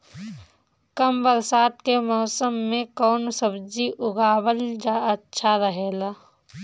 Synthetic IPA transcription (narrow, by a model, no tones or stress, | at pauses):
kəmbəɾsaːt̪kemɔːsəmːẽkɔːnsəbd͡ʒiʔʊɡaːwəld͡ʒaətːʃʰaɾəɦeːlaː